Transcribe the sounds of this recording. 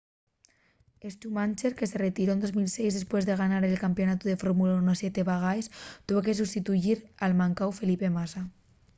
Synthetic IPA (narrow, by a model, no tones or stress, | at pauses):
est̪umant͡ʃeɾke̞se̞ret̪iɾo̞nd̪o̞zmilse̞jzðe̞spwe̞zðe̞ɣ̞anaɾelkampjo̞nat̪uðe̞foɾmulaunosjet̪e̞βaɣ̞ajst̪uβoke̞s̬ust̪it̪uʝiɾalmãŋkawfelipemasa